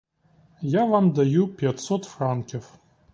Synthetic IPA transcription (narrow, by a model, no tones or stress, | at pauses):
javamd̪ajupʲjat̪sɔt̪frankʲɪf